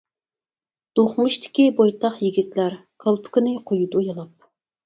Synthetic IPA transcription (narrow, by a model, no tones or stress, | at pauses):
d̪̥oχmuʃt̪ʰɪ̥kʲibojt̪ʰɑχjiɡʲit̪læɾ | kʰɑlˠpʰʊ̥kɪnɪqʰojud̪ujɑlˠɑp̚